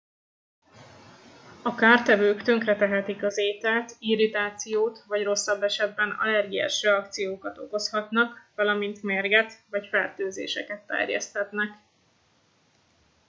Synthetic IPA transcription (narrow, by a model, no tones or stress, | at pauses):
ɒkaːrt̪ɛvøːkt̪ø̞ŋkrɛt̪ɛɦɛt̪ikɒzeːt̪ɛlt̪iɾit̪aːt̪sijoːt̪vɒɟro̞sːɒbːɛʃɛd̪̚bɛnɒ̰lɛrɡia̰ːʃrɛɒkt̪sijoːkɒt̪o̞̰ko̞shɒt̪nɒkvɒlɒmint̪meːrɡɛt̪vɒcfɛrt̪øːzḛːʃɛkɛt̪ːɛ̰rjɛ̰st̪hɛt̪nɛk